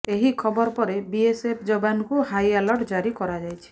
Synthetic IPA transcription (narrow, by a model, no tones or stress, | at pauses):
eɦikʰɔbɔɾpɔɾebiesepʰd͡ʒɔbankuhajalɔʈd͡ʒaɾikɔɾad͡ʒajt͡ʃʰi̥